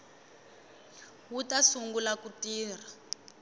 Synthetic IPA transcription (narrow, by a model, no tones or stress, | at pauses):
wutasuŋɡulakutiːr̤a